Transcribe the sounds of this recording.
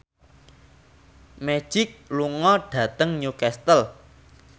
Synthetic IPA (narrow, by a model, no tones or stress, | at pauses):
me̥ʒ̥ɪk̚luŋɔɖ̥ä̤t̪əŋɲukɛst̪əl